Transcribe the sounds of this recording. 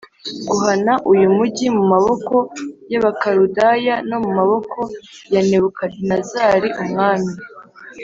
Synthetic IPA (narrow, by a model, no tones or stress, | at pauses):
ɡuɦanaʔujumuɟimumaβo̞ko̞jaβakaɾudajano̞mumaβo̞kʰo̞jane̞βukadinazaːɾiʔumŋaːmi